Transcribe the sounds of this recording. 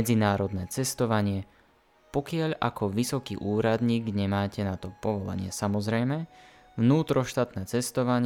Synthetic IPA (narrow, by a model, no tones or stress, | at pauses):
ɛd͡zinaːɾɔd̪nɛːt͡sɛst̪ɔʋaɲɪɛ | pɔkɪaʎakɔʋisɔkḭːʔuːɾad̪ɲiːɡɲɛmaːcɛnat̪ɔpɔʋɔlɛ̰ɲɪɛsamɔzɾɛjmɛ | ʋnuːt̪ɾɔʃt̪aːt̪nɛːt͡sɛst̪ɔʋaɲ